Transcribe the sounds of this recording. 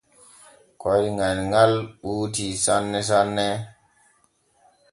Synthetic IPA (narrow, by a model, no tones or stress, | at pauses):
koɾŋanŋalɓuːt̬isanːes̬anːe